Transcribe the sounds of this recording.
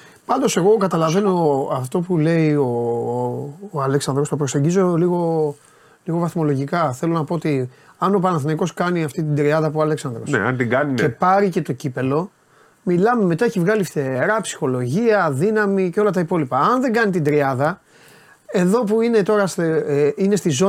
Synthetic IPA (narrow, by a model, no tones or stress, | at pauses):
pɐnd̪o̞se̞ɣo̞kɐt̪ɐlɐve̞no̞ɐft̪o̞pule̞io | ɐleksɐnd̪ɾo̞st̪o̞pɾo̞se̞ɲɟizo̞liɣo̞ | liɣo̞vɐθmo̞lo̞ʝikɐθelo̞nɐpoot̪iɐno̞pɐnɐθnɐiko̞skɐniɐft̪it̪̬ind̪ɾiɐðɐpuoɐle̞ksɐnd̪ɾo̞̰nḛɐ̰nt̪iɡɐniepɐɾice̞t̪o̞cipe̞lo̞ | milɐme̞me̞t̪ɐeçivɣɐlifθe̞ɾɐpsi̥xo̞lo̞ʝiɐðinɐmiceo̞lɐt̪ɐipo̞lipɐɐnðe̞ŋɡɐnit̪ind̪ɾiɐðɐ | e̞ðo̞puine̞t̪o̞ɾɐseine̞st̪izo